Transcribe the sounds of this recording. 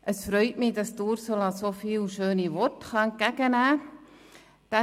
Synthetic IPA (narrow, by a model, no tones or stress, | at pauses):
ʔəsfɾœʏtmidɑstuːɾsolɑsofiːlʃøːniʋɔtχɑɛnkæɡ̥ənæː | d̥ɛ